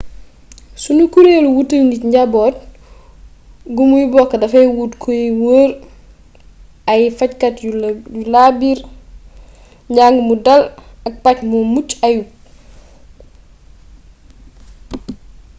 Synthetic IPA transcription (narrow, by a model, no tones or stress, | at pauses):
sunukuɾeluwutəlŋɡiɲɟabɔːt | ɡumujibɔkːɐdɐfɛwutkʰojiwoːɾ | ajifackatujulabiɾ | ɲɟaŋɡmudɐlɐk̚pacmumucaju